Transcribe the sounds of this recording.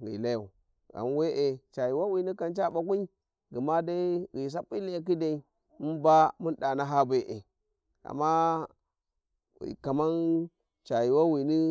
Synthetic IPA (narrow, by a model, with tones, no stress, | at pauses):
ɣḭ˨la˦ja˨ | a̰˨m˦we˦ʔe˨t͡ʃa˨ji˨wa˦wi˨ni˦ka˨nt͡ʃa˦ɓa˨kʷi˦i˦ | ɡi˨ma˦da˦ɣi˨s̬a˦pːi˦li˦a˨k̬i˦da˨i˨ | mu˦nba˦mu˦nda˨na˦ɦa˦be˦ʔḛ˨ | a̰˨mːa˦ | ḭ˨ka˨ma˦n | t͡ʃa˨ji˨wa˦wi˨ni˦